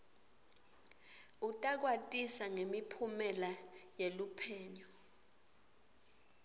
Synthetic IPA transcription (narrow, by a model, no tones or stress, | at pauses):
utʼak̬watʼisaŋemipʰumɛlajelupʰɛːɲɔ